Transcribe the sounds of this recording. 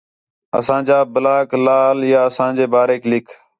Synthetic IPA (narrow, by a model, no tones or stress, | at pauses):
ə̰sãːd͡ʒaːbəlaːklaːljaːəsãːd͡ʒeːbaːɾeːklɪkʰ